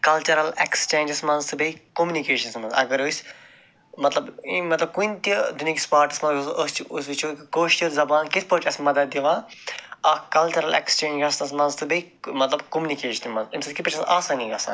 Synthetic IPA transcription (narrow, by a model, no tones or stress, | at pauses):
kɐlt͡ʃɐɾɐlekst͡ʃẽːnd͡ʒɐsmɐnzt̪ɨbeikomʲjunikeːʃɐnsmɐnzɐ̰ɡɐɾosʲ | mɐt̪lɐbmɐt̪lɐb̚kuint̪id̪unʲjɐːki̥spaːɾʈismɐusɐst͡ʃusʋit͡ʃʰokikoːʃt͡ʃilzɐbaːnkit̪ʰpɐːt͡ʃɐsmɐd̪ɐt̪̚d̪iʋaːɐːkɐlt͡ʃɐɾɐlḛkst͡ʃẽːɐsnɐs̬mɐ̃nzt̪ɨbeimɐt̪lɐbkomunikeːʃɐnmɐnzinsɐkipʲɐt͡ʃʰɐ̃aːsãːnĩɡɐsã̰ːn